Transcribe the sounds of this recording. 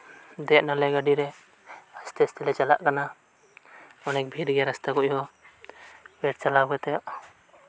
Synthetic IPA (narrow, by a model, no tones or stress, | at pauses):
d̪ɛʔnalɛɡaɖiɾɛ | ast̪ɛst̪ɛlɛt͡ʃala̰ʔkana | ɔnɛk̚bʱiɾɡɛɾast̪akuʔɦɔ | bɛʈ̚t͡ʃalawɡɛt̪ɛʔ